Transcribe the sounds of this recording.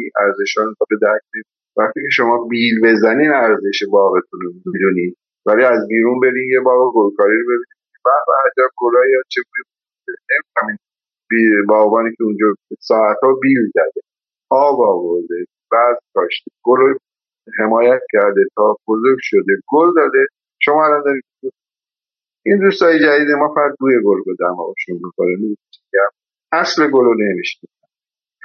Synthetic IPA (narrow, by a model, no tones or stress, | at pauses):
iæɾze̞ʃɒːnzɒbed̪æɾkʰnin | væχt̪iːkcʰeʃo̞mɒːbilbe̞zæniːnæɾze̞ʃebɒːɣe̞t̪ʰunomid̪uniːd̪ | væliæzbiːɾunbe̞ɾiːnjebɒːɣeɡolkʰɒːɾiːɾobe̞biːniːnibæɾbæhæd͡ʒæb̚ɡolɒːjɒt͡ʃʰeɡuːnebu | d̪enemiæmin | bbɒːɣbɒːniːcʰeund͡ʒɒːsɒːæt̪ɒːbiːlzæd̪e̞ | ʔɒːbɒːvoɾd̪e | b̥æzt̪ʰɒːʃt̪i̥ɡ̥olo | ɦe̞mɒːjæt̪̚cʰæɾd̪et̪ʰɒːbozoɾɡʲʃod̪eɡold̪ɒːd̪e | ʃomɒːælɒnd̪ɒːɾiːd̪o | ind̪ust̪ɒːjed͡ʒæd̪iːd̪emɒːfææd̪̚ɡuːjeɡolbud̪æmɒ̰ɔʃunmikʰoneniiiɡæm | æsleɡolonemiʃnisa